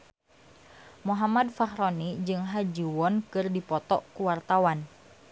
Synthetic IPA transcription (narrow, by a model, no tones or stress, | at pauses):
muɦamadfahɾɔnid͡ʒɨŋɦad͡ʒiwɔnkɨrdipɔt̪ɔ̰ʔkuwart̪awan